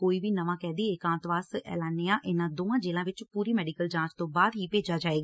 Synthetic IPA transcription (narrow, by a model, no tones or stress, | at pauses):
koːiːʋiːnəʋãːkɛːd̪iːekãːnt̪ʋaːsɛ̰ːlaːnːeãːʔɪnãːd̪oːãːd͡ʒeːlãːʋɪt͡ʃpuːɾiːmɛːɖiːkəld͡ʒãːt͡ʃt̪õːbaːd̪ɦiːpeːd͡ʒaːd͡ʒaːeːɡaː